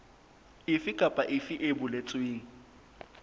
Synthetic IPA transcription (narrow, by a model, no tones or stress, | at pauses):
ɪfɪkʼapʼaʔɪfɪʔebʊlet͡sʼʊiːŋ̩